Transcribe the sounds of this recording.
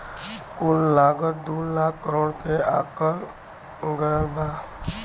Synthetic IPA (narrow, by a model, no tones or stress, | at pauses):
kullaːɡət̚d̪ulaːkːəɾoːɽkeaːkəɾ | ɡəɾbʱaː